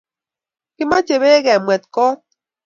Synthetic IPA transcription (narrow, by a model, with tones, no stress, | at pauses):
ki˦ma˦t͡ʃe˨βe˦ɣɛ˨mwɛ˨t̚kɔ˦t̚